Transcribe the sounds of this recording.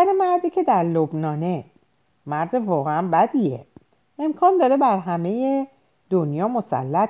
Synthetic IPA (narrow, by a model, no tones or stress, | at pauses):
æɾemæɾd̪icʰe̞d̪æɾlobnɒːne̞ | mæɾd̪evɒːɣeænbæd̪iḛ | ʔemkʰɒːnd̪ɒːɾe̞bæɾɦæme̞je | d̪onjɒːmosæ̰lːæt̪